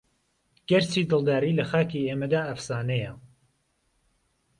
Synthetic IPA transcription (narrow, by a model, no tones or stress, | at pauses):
ɡ̥ɐɾt͡sʰiːd̪ɨlˠd̪aːɾiːlɐxaːkiːeːmɐd̪aːɐfsaːnɛjɐ